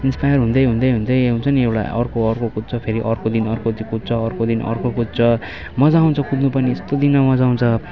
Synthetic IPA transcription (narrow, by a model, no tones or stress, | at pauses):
inspajʌrɦund̪ʌjɦũnd̪ʌjɦũnd̪ʌjɦunt͡sʰʌniewʈa̰ʌ̰rkoʌrkokut̪̚t͡sʰʌpʰeɾiʔʌrkod̪inʌrkodikud̪̚t͡sʰʌːrkod̪inʌ̰rkokud̚t͡sʰʌ | mʌd͡zauw̃nt͡sʰʌkud̪nupʌniest̪od̪inʌmʌd͡zaw̃nt͡sʰʌ